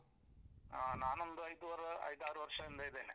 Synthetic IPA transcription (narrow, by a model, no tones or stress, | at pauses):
anaːnond̪ɯɐjd̪uʋɐɾɐɐ̰jd̪aːɾuʋɐɾʂɐɛnd̪ɐiðeːnḛ